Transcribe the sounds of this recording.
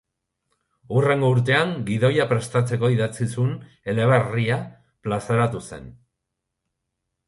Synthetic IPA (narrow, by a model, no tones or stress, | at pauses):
ure̞ŋɡouɾt̪e̞aŋɡiðo̞japɾe̞st̪at͡se̞ko̞iðat͡sisun | e̞le̞βaria | plasaɾat̪use̞̰n